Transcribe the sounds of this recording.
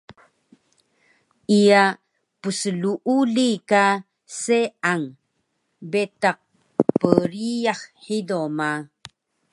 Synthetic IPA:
ija | pəsəluʔulika | seaŋ | betaq̚ | pəɾijahħidoma

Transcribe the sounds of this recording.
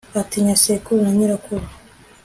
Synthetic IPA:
atiɲasekunaɲiɾakuɾa

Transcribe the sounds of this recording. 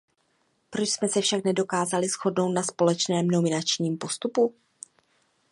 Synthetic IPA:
pɾot͡ʃsmɛsɛfʃaknɛdo̞kaːzalɪsxo̞dno̞wt̪naspo̞lɛt͡ʃnɛːmnomɪnat͡ʃɲiːmpo̞st̪upu

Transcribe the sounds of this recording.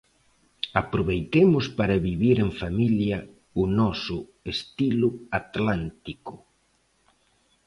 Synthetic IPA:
apɾoβejt̪emʊspaɾɐβiβiɾeɱfamiljɐ | ʊnɔsʊest̪ilʊat̪lant̪ikʊ

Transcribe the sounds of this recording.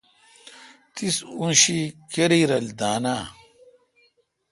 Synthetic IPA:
t̪isunɕikeɾiːɾɐld̪aːnaː

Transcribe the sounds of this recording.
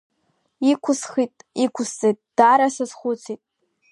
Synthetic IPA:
ikʷʰʊsχitʼikʷʰʊst͡sʼejtʼd̥aɾasɨzχʷʊt͡sʰitʼ

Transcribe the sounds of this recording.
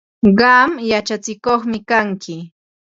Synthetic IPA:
ɢɑmjat͡ʃat͡sɪkoχmɪkaŋkɪ

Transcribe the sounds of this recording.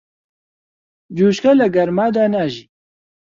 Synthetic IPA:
d͡ʒuːʃkalɐɡɐɾmaːd̪aːnaʒiː

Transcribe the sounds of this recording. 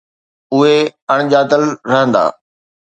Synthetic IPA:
ʊɦeɐɽ̃ʄaːt̪əlɾɐɦə̃nd̪a̰ː

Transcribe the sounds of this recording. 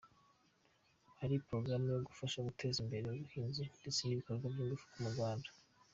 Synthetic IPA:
haɾipɾo̞ɡɾamujoɡufaʃaɡutʰe̞ːzimbe̞ɾe̞uβuhiːnzende̞t͡se̞niβiko̞ɾɡwabjiːŋɡufu̥kumuɾɡwaːndḁ

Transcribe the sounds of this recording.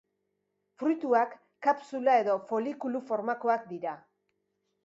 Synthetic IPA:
fɾujt̪uakː | apsulae̞ðo̞fo̞likulufo̞ɾmako̞akd̪iɾa

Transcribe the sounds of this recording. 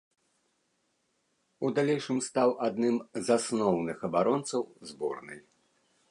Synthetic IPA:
ud̪alʲɛjʂɨmst̪awʔad̪nɨmzasnɔwnɨxɐbaɾɔnt̪sɐwzbɔ̰rnɨj

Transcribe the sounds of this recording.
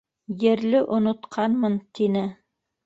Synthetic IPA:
jɘ̆ɾlɘʔŏnŏt̪qʰɑnmɤnt̪inɘ

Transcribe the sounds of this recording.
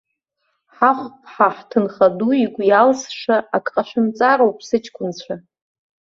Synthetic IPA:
ħaχʷpʰħaħtʰɨnχaduiɡʷʼjalsʂaakʼqʼaʃʷᶣɨmt͡sʼaɾowpʰʼsɨt͡ʃʰkʷʰʼʊnt͡ɕʷʰa

